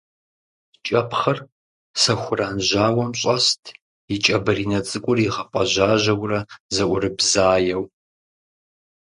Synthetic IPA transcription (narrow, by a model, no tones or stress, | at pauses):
t͡ʃʼɐpχɐr | sɐxʷʊraːnʑaːwɐmɕʼɐstʰ | it͡ʃʼɐbɐriːnɐt͡sʼɨkʷʼʊriʁɐpʼɐʑaːʑɐwrɐzɐʔʷʊrɨbzaːjɛw